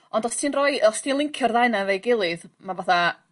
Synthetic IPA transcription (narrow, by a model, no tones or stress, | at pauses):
ɔndɔstʰiːnrɔɨɔstʰiːnlˠɪŋkʰjɔrðajnavejɡɪlˠɨðmavaθa